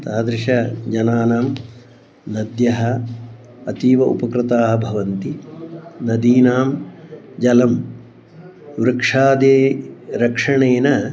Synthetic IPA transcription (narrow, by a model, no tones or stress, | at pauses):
t̪aːd̪ɾɪʃɐd͡ʒɐnaːnaːm | nɐd̪jɐɦɐ | ɐt̪iːʋɐʔṵpɐkɾɪt̪aːɦɐbʱɐʋɐnt̪i | nɐd̪iːnaːm | d͡ʒɐlɐm | ʋɾɐkʂaːd̪eːɾɐkʂɐɳeːnɐ